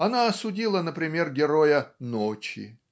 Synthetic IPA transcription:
ɐnaɐsʊdʲilˠənəpɾʲɪmʲe̞rɡʲɪɾojənot͡ɕɪ̰

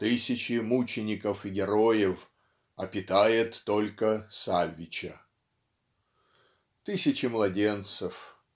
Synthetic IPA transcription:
t̪ɨsʲɪt͡ɕɪmut͡ɕɪnʲɪkəfɪɡʲɪɾojɪf | ɐpʲɪt̪ajɪt̪ːolʲkəsavʲːɪt͡ɕə | t̪ɨsʲɪt͡ɕɪmlˠɐdʲe̞nt̪səf

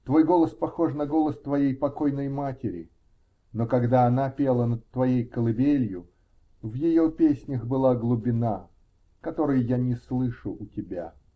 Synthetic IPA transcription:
t̪vo̞jɡo̞lˠəspɐxo̞ʂnəɡo̞lˠəst̪vɐjejpɐko̞jnəjmatʲɪɾʲɪ̰ | nokɐɡd̪aɐnapʲe̞lˠənət̪ːvɐjejkəlˠɨbʲelʲjʊ | vjɪjo̞pʲesʲnʲəxbɨlˠaɡlˠʊbʲɪna | kɐt̪o̞ɾɨjʊjanʲɪslˠɨʂʊʔːtʲɪbʲa

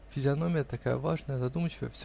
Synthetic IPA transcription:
fʲɪzʲɪɐno̞mʲɪjət̪ɐka̰jə̰va̰ʐnəjəzɐd̪umət͡ɕɪvə̰jə̰fsʲ

